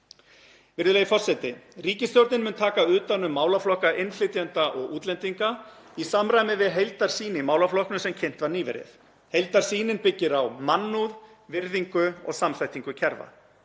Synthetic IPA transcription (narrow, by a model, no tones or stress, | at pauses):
vɪɾðɪleːjifɔr̥sɛt̪ɪriːcɪst̪jɔwɾt̪nɪnmʏːnt̪ʰaːkaʏːt̪anːʏmːaːwlaflɔhkaʔɪnflɪt̪jant̪aʔɔɣuːt̪lɛnt̪iŋka | isamɾajmɪvɪðɦejlt̪aɾ̥siːnɪmaːwlaflɔhknʏsɛmcʰɛn̥t̪vaɾniːvɛ̰ɾɪ̰θ | hejlt̪aɾ̥siːnɪnpɪcːɪɾawmanːuð | vɪɾðiŋkʏɔ̰ɣsamθajt̪iŋkʏcʰɛɾva̰